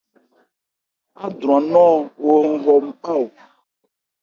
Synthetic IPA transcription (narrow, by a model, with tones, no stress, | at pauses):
a˦d̪ɾũ˨ã˨nɔ̃˦wo˦ŋ̩˦ɣɔ˦m̩˦k͡pa˦wo˨